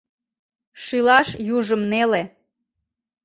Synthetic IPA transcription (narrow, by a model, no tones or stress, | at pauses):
ʃilɑʃjuʒəmnele